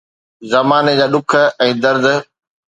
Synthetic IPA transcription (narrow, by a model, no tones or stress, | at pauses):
zɐmaːned͡ʑaːɗʊkʰə̆ɛ̃ːd̪ɐɾd̪̆